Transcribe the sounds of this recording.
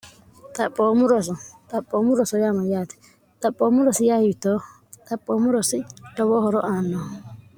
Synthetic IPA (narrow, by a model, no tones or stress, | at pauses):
t̪apʼɔmuɾɔs̬ɔt̪apʼɔmuɾɔsɔjamajati̥ | t̪apʼɔmuɾɔsijahitɔ | t̪apʼɔmuɾɔsijɔβɔhɔɾɔʔanɔ